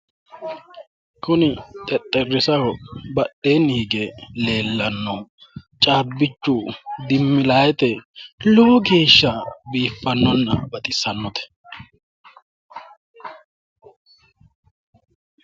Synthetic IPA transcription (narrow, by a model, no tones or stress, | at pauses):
kʰʊnɪt̪ʼɛt̪ʼːɛrːɪsɐwɔbɐɗːeːniːɡɛle̞ːlːɐnːɔ | t͡ʃʼaːbːɪt͡ʃːʊd̪ɪmːɪlaːjɛt̪ɛlʊwʊɡe̞ːʃːɐbiːfːɐnːɔnːɐ̰bɐt̪ʼɪsɐnːɔt̪ɛ̥